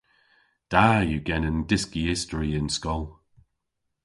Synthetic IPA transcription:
d̥ajəɡɛnə̃ndɪskiɪstəɹiɪ̃nskɔlˠ

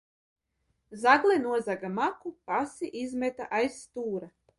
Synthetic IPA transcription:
zaɡlˠɛnuɔzaɡamakupasiʔizmʲɛt̪a̰ʔajsːt̪uːɾa

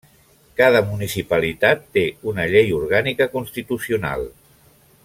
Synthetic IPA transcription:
kaðəmunisipəlit̪at̪ːeunəʎejuɾɣanikəkunst̪it̪usiuna̰lˠ

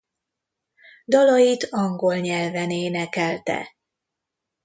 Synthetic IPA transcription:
d̪ɒlɒjit̪ɒŋɡo̞lɲɛlvɛneːnɛkɛlt̪ɛ̰

